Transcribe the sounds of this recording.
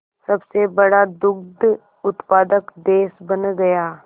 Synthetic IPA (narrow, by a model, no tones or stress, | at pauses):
sɐbsebɐɽad̪ʊɡd̪ | ʊt̪paːd̪əkd̪eːsbɐnɡɐjaː